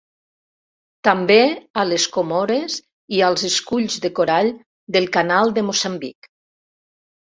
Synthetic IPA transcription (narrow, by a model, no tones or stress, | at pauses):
t̪ambealeskomoɾez | ialˠzeskuʎzðekoɾaʎ | d̪elˠkanalˠd̪əmosambik